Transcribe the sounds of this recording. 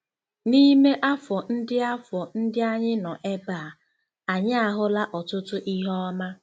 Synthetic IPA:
ni˦me˦ʔa˦fɔ˨n̩˦dɪ˦a˦fɔ˨n̩˦dɪ˦a˦ɲɪ˦nɔ˨ʔe˦baː˦˨ | a˨ɲɪ˦a˨ɦʊ˦la˦ʔɔ˨tʊ˦tʊ˦ʔi˦ɦɔ˦ma˦

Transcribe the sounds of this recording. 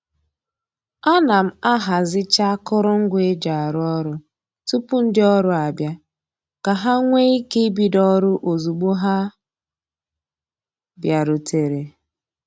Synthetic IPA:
a˦na˨m̩˦a˦ɦa˨zɪ˦t͡ʃa˦kʊ˦ɾʊ˦ŋ̩˦ɡʷe˦d͡ʒa˨a˨ɾʊ˦ɔ˦ɾʊ˦ | tu˦pʊ˦n̩˦dɪ˦ɔ˦ɾʊ˨a˨bja˦ | ka˨ɦa˦ŋʷe˦i˦ke˦i˦bi˨dɔ˦ɾʊ˦ʔo˨zu˨ɡ͡bu˦ɦa˦ | bja˨ɾʊ˨tʰe˨ɾe˨

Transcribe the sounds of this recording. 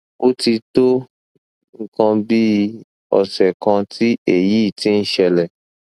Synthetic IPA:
o˦ti˧to˦ | ŋ̩˦kã˧bi˦ | ɔ̰˨sɛ˨kã˧ti˦e˨jiː˦˨ti˦n̩˦ʃɛ˧lɛ˨

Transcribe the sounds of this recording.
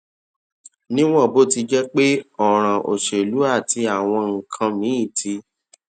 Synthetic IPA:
nĩ˦w̃ɔ̃˦˨bo˦ti˧d͡ʒɛ˦k͡pe˦ɔ˦˨ɾ̃ã˨ʔo̰˨ʃe˨lu˨˦a˦˨ti˧a˦˨w̃ɔ̃˧ŋ̩˨kʰã˧mĩ˨˦i˦˨tʰi˧

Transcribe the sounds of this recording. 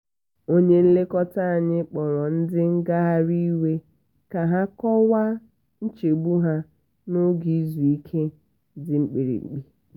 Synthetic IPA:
o˦ɲe˦n̩˦le˦kɔ˦ta˦a˨ɲɪ˦k͡pɔ˨ɾɔ˨n̩˦dɪ˦ŋ̩˦ɡa˦ɦa˦ɾi˦we˦ | ka˨ɦa˦kɔ˦wa˦ | n̩˦t͡ʃe˨ɡ͡bu˦ɦa˦ | no˦ɡi˨˦zu˨i˦kʰe˦ | dɪ˦ŋ͡m̩˦k͡pi˨ɾḭ˨ŋ͡m̩̰˨k͡pi˦

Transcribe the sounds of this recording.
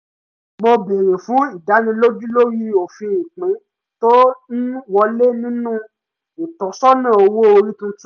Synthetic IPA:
mo˧be˨ɾe˨fũ˨˦i˦˨da˨˦nĩ˧lo˦d͡ʒu˦lo˦ɾi˦o˨fĩ˧i˨k͡pĩ˨˦ | to˦n̩˦wɔ˧le˦nĩ˦nũ˦ | i˨tɔ̃˨sɔ˦nã˦˨o˧wo˦o˧ɾi˦tũ˦tu˦

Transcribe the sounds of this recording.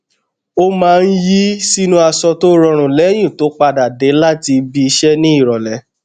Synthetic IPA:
o˦mãː˨˦˧n̩˦ji˦si˦nũ˦a˧sɔ˧to˦ɾɔ̃˧ɾ̃ũ˨lɛ˨˦j̃ĩ˦˨to˨˦k͡pa˧da˨de˨˦la˦ti˧bi˧i˧ʃɛ˦nĩ˦i˦˨ɾɔ˨lɛ˨˦

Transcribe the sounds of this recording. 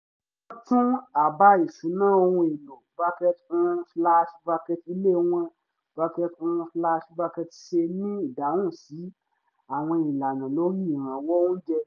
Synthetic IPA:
ɔ̃˦tũ˦a˨ba˧˦i˨sũ˨˦nãː˦˨o˧hũ˧e˨lo˨ba˧kɛ˧tũ˧fla˧ʃu̥˧ba˧kɛ˧ti˧le˦˨˦w̃ã˧ | b̥a˧kɛ˧tfla˧ʃu˧ba˧kɛ˧ti˧˦ʃe˧nĩ˦i˦˨da˨˦w̃ũ˦˨si˨˦ | a˨w̃ɔ̃˧i˨la˨nã˨lo˨˦ɾĩ˦˨ɾ̃ã˨˦wɔ˦wũ˦d͡ʒɛ˧

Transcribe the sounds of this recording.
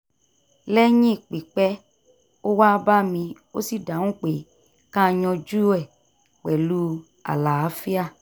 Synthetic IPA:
lɛ˦ɲĩ˦˨k͡pi˨k͡pɛ˦ | o˦wa˦ba˦mĩ˧ | o˦si˦˨dã˨˦ũ˦k͡pe˨ | kã˦˧˨ɲɔ̃˧d͡ʒu˦ɛ˦˨ | k͡pɛ˨lu˦ | a̰˨la˨a˨˦fi˦a˦˨

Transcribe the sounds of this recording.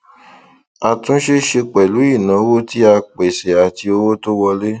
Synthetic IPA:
a˨tũ˦ʃe˦ʃe˧k͡pɛ˨lu˨˦i˦˨nã˨˦wo˦ti˦a˧k͡pe˨se˨a˨ti˧o˧wo˦to˦wɔ˧le˦

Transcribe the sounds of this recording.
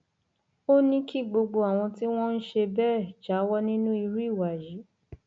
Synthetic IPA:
o˦nĩ˦kʰi˦˨ɡ͡bo˧ɡ͡bo˧a˨w̃ɔ̃˧ti˦w̃ɔ̃˦n̩˦ʃe˧bɛ˦˨d͡ʒa˨˦wɔ˦nĩ˦nũ˦i˧ɾi˦˨wa˨ji˨˦

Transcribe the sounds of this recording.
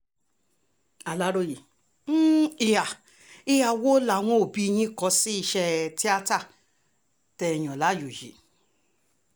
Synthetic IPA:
a˨la˨˦ɾo˧˦ji˨˦ | i˨ja˨ | i˧˨ja˨wo˦la˨˦w̃ɔ̃˦o˨bi˦˧j̃ĩ˦kɔ˨˦si˦i˧ʃɛ˧ti˦a˧˦ta˦˨ | tɛ˧˨j̃ɔ̃˨la˨˦jo˨jḭ˨˦

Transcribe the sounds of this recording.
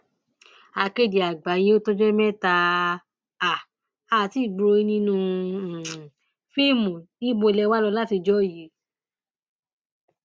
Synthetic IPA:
a˧˨ke˧˨di˨a˨ɡ͡ba˨˦je˦o˦to˦d͡ʒɛ˦mɛ̃˦ta˧ | a˨ | a˧˨ti˦˨ɡ͡bɾo˧i˦nĩ˦nũ˦˧˨ | fi˦˨mũ˨ | i˦ɡ͡bo˧lɛ˧wa˦lɔ˧la˦ti˧d͡ʒɔ˦˨ji˨˦

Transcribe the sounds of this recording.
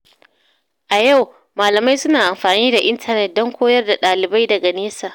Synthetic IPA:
ʔa˨ja˦˨w | maː˨lɐ˨ma˦jsʊ˦naː˨ʔa˨mɸaː˨niː˦da˨ʔɪ˦ntʰɐ˨nɛ˦t̚dɔ˦ŋkʷoː˦jɐ˦rda˨ɗaː˨lɪ˨ba˦jdɐ˨ɡa˨neː˦saː˨

